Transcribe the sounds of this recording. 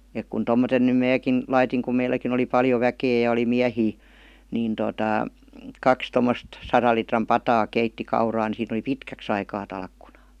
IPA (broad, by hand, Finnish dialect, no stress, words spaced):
ek kun tomːoten nym mæːkin lɑitiŋ kum meilːækin oli pɑljo ʋækeː jɑ oli miæhiː niːn totɑˑ kɑks tomːost sɑrɑl litrɑm pɑtɑː keitːi kɑurɑː ni siːn ə̆li pitkæks ɑikɑː tɑlkːunɑ̥ː